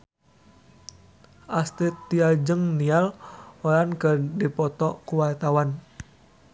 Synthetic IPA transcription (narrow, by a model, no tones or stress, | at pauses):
ʔast̪it̪ːiad͡ʒəŋnialɔlankədipɔt̪ɔkuwart̪awan